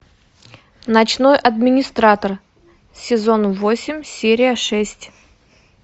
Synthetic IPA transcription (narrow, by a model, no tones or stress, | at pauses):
nɐt͡ɕno̞jʔɐd̪mʲɪnʲɪst̪ɾat̪ər | sʲɪzo̞nvosʲɪmʲsʲeɾʲɪjəʂɛsʲtʲ